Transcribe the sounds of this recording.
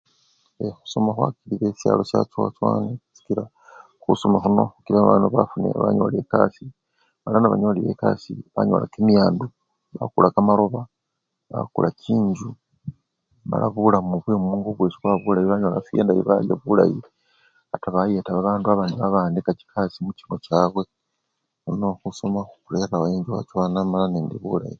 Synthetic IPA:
exu̥somaxwa̰kiliβesjaːlo̞sjat͡swat͡swaːnesi̥kila | xusomaxuno̞xukilaβaːnduβafunḛβa̰ɲo̰le̞kasi | malanaβa̰ɲoliβe̞̰kasiβaɲo̞̰lakemijaːndu | βakulakamaɾo̞βa | βa̰kulacʰiːɲd͡ʒu | ma̰laβulamuβwemuːŋɡoβwe̞ːt͡ʃi̥kwaβulajiβaɲo̞lafijeːndajḭβa̰ljaβulaji | ataβajetaβaβaːnduaβaniβaβaːndikaci̥kʰasimucino̞caːβwe | onokusomaxukuɾe̞ːɾawoeːɲd͡ʒuwa̰t͡ʃwaːnamalaneːndeβula̰ji

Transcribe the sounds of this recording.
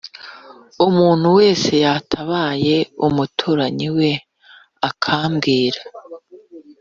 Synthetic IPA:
umuːn̥huwe̞ːse̞jatʰaβaːje̞umutʰuːɾaɲiwe̞ | akʰaːmɡiːɾa

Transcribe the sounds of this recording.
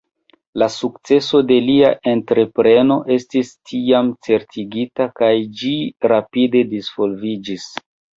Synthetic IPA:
lasukt͡se̞so̞de̞liaʔe̞ntɾe̞pɾe̞no̞ʔe̞stistʰiamt͡se̞ɾtʰiɡitakajd͡ʒiɾapide̞disv̥o̞lvid͡ʒis

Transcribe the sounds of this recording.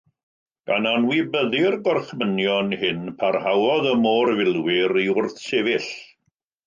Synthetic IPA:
ɡ̥ananwibəðɪrɡɔrχmənjɔnhɪnpʰarhawɔðəmoːrvɪlˠwɪɾiʊrθsevɪɬ

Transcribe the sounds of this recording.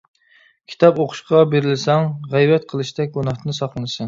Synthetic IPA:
kʲʰi̥t̪ʰɑpoqʰʊ̥ʃqɑbeɾɪlɪsɛŋʁæjvɛt̪qʰəlˠɨʃd̪ɛk̚ʲɡonɑχt̪ɨnɨsɑχlˠɨnɨsɨŋ

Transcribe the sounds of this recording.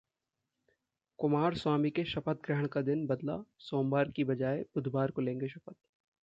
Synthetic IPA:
kʊmaːɾswaːmikeʃɐpət̪̚ɡɾɛɦəɽ̃kad̪ɪnbɐd̪la̰soːmbaːɾkibɐd͡ʒaːebʊd̪ʱbaːɾkolẽːŋɡeʃɐpət̪̚

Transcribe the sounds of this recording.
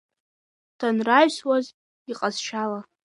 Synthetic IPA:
d̥ʰanraɥʃwaz | iqʼaz̥ʃala

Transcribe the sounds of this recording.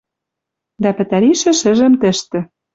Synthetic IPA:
d̪æpɘ̆t̪æɾiʃɘ̆ʃɘ̆ʒə̆mt̪ɘ̆ʃt̪ɘ̆

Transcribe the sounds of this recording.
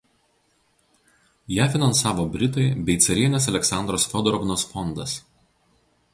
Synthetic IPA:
jæːfʲɪnɐnsɑːʋoːbʲɾʲɪt̪ɐɪbʲɛɪt̪sʲɐɾʲiɛnʲɛs̬ɐlʲɛksɑnd̪ɾoːsfʲɔd̪ɔɾɔʋnoːsfɔnd̪ɐs

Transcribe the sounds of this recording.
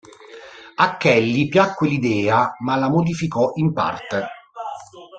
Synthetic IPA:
akːɛlːipjakːwelid̪ɛːamalamod̪ifikɔʔimpa̰rt̪e

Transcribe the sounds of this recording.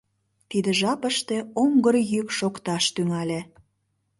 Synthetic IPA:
t̪id̪əʒɑpəʃt̪e̽oŋɡərjykʃokt̪ɑʃt̪yŋælʲe

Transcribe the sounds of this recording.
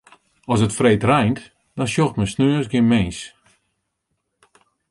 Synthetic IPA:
ɔsətfreːtrɛjnt | d̥ɔnʃjoxtməsnøːəsɡɪnmeːs

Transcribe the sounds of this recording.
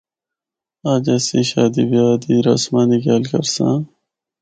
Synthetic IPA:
aːd͡ʑɐsiɕaːd̪ibjaːd̪iɾɐ̰smaːnikjaːlkɐɾsãː

